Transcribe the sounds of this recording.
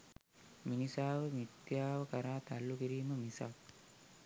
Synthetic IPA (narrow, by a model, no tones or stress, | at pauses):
minisaːʋəmit̪jaːʋəkaɾaːt̪alːukiɾiːməmisa̰k̚